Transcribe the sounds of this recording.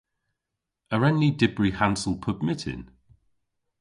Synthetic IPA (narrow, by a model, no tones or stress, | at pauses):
əɹɛnidɪbɹihãnsəlˠpʰəbmɪtʰɪ̰̃n